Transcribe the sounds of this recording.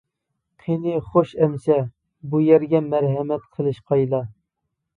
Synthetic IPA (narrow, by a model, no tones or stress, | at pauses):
qʰenɨχoʃɛmsɛ | bujɛɾɡʲɛmæɾɦɛmɛt̪̚qʰəlˠɨʃqʰɑjlˠɑ